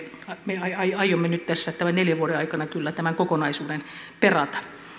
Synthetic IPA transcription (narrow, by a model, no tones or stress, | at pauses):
ɑmeɑiɑijɑijˑomːenyt̪t̪æsːæt̪t̪æmæneljæʋuoɾeɑikɑnɑkylːæt̪æmæŋkokonɑisuːdenperɑt̪ɑ̥